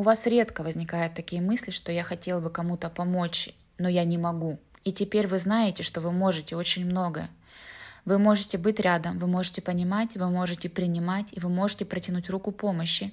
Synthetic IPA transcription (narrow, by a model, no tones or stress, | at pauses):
ʊvasɾʲe̞t̪kəvəzʲnʲɪkajʊt̪ːɐkʲijəmɨsʲlʲɪʂt̪o̞jaxɐtʲe̞lˠbɨkɐmut̪əpɐmot͡ɕ | no̞janʲɪmɐɡu | itʲɪpʲeɾʲvɨznajɪtʲɪʂt̪o̞vɨmo̞ʐɨtʲɪo̞t͡ɕɪnʲmno̞ɡəjə | vɨmo̞ʐɨtʲɪbɨtʲɾʲad̪əmvɨmo̞ʐɨtʲɪpənʲɪmatʲvɨmo̞ʐɨtʲɪpɾʲɪnʲɪmatʲivɨmo̞ʐɨtʲɪpɾətʲɪnutʲrukʊpo̞məɕːɪ